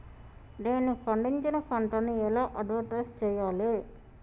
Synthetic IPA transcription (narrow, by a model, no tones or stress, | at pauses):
neːnupʰɐɳɖiɲt͡ʃinɐpʰɐɳʈɐnːiɛlaːʔɐɖʋɐʈɐst͡ʃɛːjaːle